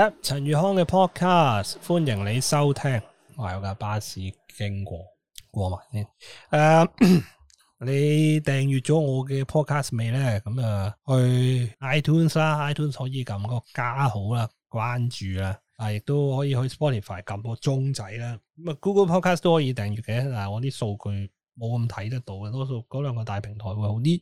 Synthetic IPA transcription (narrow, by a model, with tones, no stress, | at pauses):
ɐ˧˥t͡sʰɐ˨˩njyː˨˩hɔː˥ŋkɛː˧pʰɔː˥t̚kʰaː˥sfuː˥njɪ˨˩ŋle˨˧jsɐ˥wt̪ʰɛː˥ŋ | waː˨˩jɐ˨˧wkaː˨˧˩paː˥siː˨˥ | kɪ˥ŋkʷɔ̰ː˧ | kʷɔː˧ma̰ː˨˩nsiː˥nʔaː˧ | le˨˧jt̪ɛː˨˩ŋjyː˨t̚t͡ʃɔː˨˥ŋɔː˨˧k̬ɛː˧pʰɔː˥t̚kʰaː˥sme˨˧jlɛː˥kɐ˨˧˥mɐ˨hɵ˧ɥaː˥jt̪ʰuː˥˩nslaː˥ʔaː˥jt̪ʰuː˥nshɔː˨˥jiː˨˧kɐ˨˩mkɔː˧kaː˥ho˨˥wlaː˧ | kwaː˥nt͡ʃyː˨laː˧t̪aː˨˩jɪ˨k̚t̪o˥whɔː˨˥jiː˨˧hɵ˧ɥspɔː˥t̪ʰiː˨˩faː˨˩jkɐ˨˧mkɔː˧t͡sʊ˥ŋt͡sɐ˨˥jlaː˧˥kɐ˨˧˥ma˨kuː˥kə˧˥wpʰɔː˥kʰaː˥st̪o˥whɔː˨˥jiː˨˧t̪ɛː˨ŋjy˨t̚kɛ˧ɛ˥t̪aː˨˩hŋɔː˨˧t̪iː˥so˧wkʰɵ˨˧ɥ | mo˨˧wkɐ˧mt̪ʰɐ˨˥jt̪̬ɐ˥k̚t̪o˨˥wɛ˧t̪ɔː˥so˧wkɔː˨˥lœː˨˧ŋkɔː˧t̪aː˨jpʰɪ˨˩ŋt̪ʰɔː˨˩jwu˨˧jho˨˥wt̪iː˥